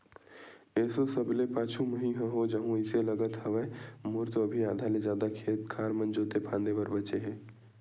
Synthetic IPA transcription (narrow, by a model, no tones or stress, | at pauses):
ɛːsosɐblepaːt͡ʃʰũməɦĩɦə̃ɦod͡ʒɐɦũɪselɐɡət̪hɐʋɛmʊɾt̪oɐbʱiaːd̪ʱaled͡ʒaːd̪akʰeːt̪kʰaːɾmɐ̃nd͡ʒoːt̪epʰãːnd̪ebɐɾbɐt͡ʃeɦɛ̃ː